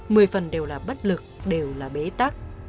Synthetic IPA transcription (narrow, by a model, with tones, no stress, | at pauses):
mɨ˨˩əjfə˨˩nɗe˨˩wlaː˨˩ɓə˦˥t̚lɨ˨˩k̚ɗe˨˩wlaː˨˩ɓe˨˦t̪a˦˥k̚